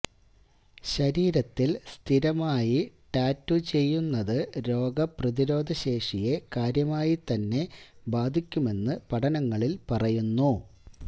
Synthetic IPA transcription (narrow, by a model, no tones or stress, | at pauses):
ɕɐɾiːɾɐt̪ːilst̪ʰiɾɐmaːjiʈaːtːut͡ɕe̞jːunːɐðɨɾo̞ːɡɐprɐðiɾo̞ːd̪ʱɐɕe̞ːʂije̞kaːɾjɐmaːjit̪ɐnːe̞baːd̪ʱikʲːume̞nːɨpɐʈʰɐnɐŋːɐɭilpɐrɐjunːu